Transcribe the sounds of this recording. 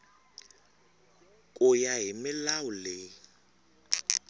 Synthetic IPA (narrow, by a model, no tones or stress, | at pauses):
kʼʊjaɦimɪlaʊlɪ